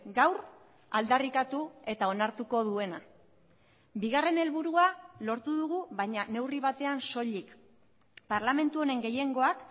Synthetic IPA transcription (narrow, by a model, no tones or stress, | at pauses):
ɡawr | ald̪arikat̪ue̞t̪ao̞naɾt̪uko̞ðue̞na | biɣ̞are̞ne̞lβuɾualo̞ɾt̪uðuɣ̞uβajɲane̞wriβ̞at̪e̞anso̞ʎik | paɾlame̞nt̪uo̞ɾe̞ŋɡe̞je̞ŋɡo̞ak